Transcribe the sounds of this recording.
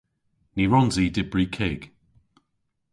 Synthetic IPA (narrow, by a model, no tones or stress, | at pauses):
niɹɔnziːdɪbɹikʰeːɡ̥